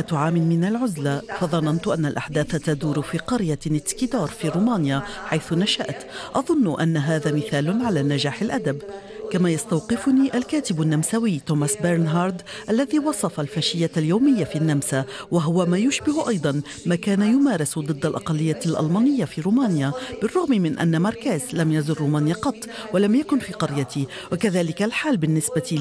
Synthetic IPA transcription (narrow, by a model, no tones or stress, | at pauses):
t̪ʕaːmɪnmɪnalʕʊzlafɑðˤɑnɑnt̪ʊʔanːalʔaħd̪aːθt̪ad̪uːɾʊfiːqɑɾjanɪt̪skid̪ɑːɾˤfiːɾuːmaːnjaħajθʊnaʃaʔt̪ʔɑðˤʊnːʊʔanːaɦaːðaːmɪθaːlʊʕalaːnad͡ʒaːħɪlʔad̪ab | kamaːjɑst̪awqɪfʊniːʔalkaːt̪ɪbanːamsawiːt̪oːmasbɪɾnɦɑːɾˤd̪ʔalːaðiːwɑsˤɑfalfaːʃɪjːaljawmɪjːafiʔanːamsawaɦʊwamaːjʊʃbɪhʔɑjd̪ˤɑn | maːkaːnajʊmaːɾˤɪsd̪ˤɨd̪ːalʔɑ̰qɑlːɪjːaːalʔɑ̰lmaːnɪjːafiːɾuːmaːnjab̥ɪrˤːʊɣmimɪnʔa̰nːamɑɾˤkaːzlamjazʊrːuːmaːnjaqɑt̪ˤːwalamjakʊnfiːqɑɾjat̪i | wakaðaːlɪkalħaːlbɪnːɪsbat̪i